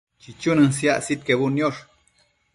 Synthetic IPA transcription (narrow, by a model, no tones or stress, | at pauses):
t͡ʃit͡ʃunɨns̬ia̰ʔsit̪̚keβunjoʂ